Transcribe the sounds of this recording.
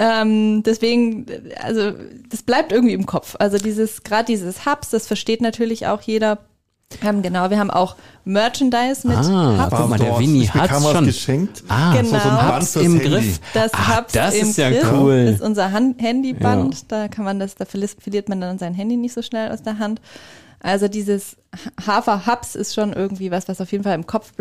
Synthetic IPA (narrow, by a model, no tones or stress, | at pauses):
ʔɛːmd̥ɛsv̥eːɡŋ̩ʔa̰lzod̥asb̥laɪp̚tʔɪɐɡŋ̩tv̥iːɪmkʰɔp͡fʔalzodiːzəsɡ̥ʁaːdədiːzəshapsd̥asfɛɐʃteːtnatʰyːɐlɪçʔa̰ʊxjeːɾɐ | ʔɛːmɡənaʊviɐaːbm̩ʔa̰ʊxmœɐt͡ʃɛndaɪsmɪhapmːɐvinihaamonəʃɛŋk̚taɡənaʊanɪmɡʁɪfd̥ashapd̥asɪmsjaɪkuːlɪtʔʊnzɐɦanhɛndibantd̥aːkʰanmandasd̥aːfɛɐlistfɛɐliːɐtmandanzaɪnɦɛndiːnɪçtz̥oːʃnɛlʔa̰ʊsd̥eːɐɦant | ʔalzodiːzəs | hhaːfɐhapsɪ̰stʃoːnʔɪɐɡŋ̩tv̥iːvasv̥asaʊfjeːdn̩falɪmkʰɔp͡fb̥